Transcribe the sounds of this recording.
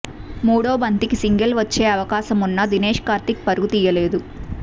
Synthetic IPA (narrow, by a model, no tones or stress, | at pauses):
muːɽoːbʱɐnt̪ikisiŋɡɐlʋɐt͡ʃːeːɐʋɐkaːsɐmunːɐd̪ineːʂkaːɾt̪ik̚pɐɾuɡut̪iːjɐle̞ːd̪u